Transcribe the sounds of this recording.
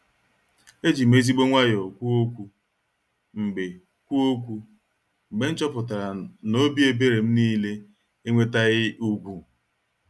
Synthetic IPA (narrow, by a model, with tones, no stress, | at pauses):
e˦d͡ʒi˨m̩˦e˦zi˦ɡ͡bo˦ŋʷa˦jɔ˨kʷu˦o˦kʷu˦ | ŋ͡m̩˨ɡ͡be˨ | kʷu˦o˦kʷu˦ | ŋ͡m̩˨ɡ͡be˨n̩˦t͡ʃɔ˦pʊ˨ta˨a˨no˦bi˦e˦be˦ɾe˨m̩˦niː˦le˦ | e˦ŋʷe˦ta˦ɣɪ˦ʔu˦ɡʷu˦